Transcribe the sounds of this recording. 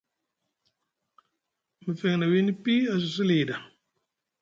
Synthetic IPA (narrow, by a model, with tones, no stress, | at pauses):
mi˨fe˨ŋna˨wi˦ni˦pi˦a˨s̬u˨s̬i˦li˨da˨